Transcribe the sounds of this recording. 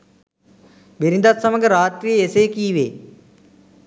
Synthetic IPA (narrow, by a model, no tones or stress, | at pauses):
beɾɪ̃nd̪ət̪səməɡɾaːt̪ɾiːeːseːkiːʋḛː